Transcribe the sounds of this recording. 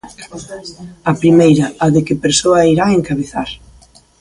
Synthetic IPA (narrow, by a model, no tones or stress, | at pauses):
ɐpɾimejɾɐːðɪkɪpeɾsoɐiɾaeŋkaβeθaɾ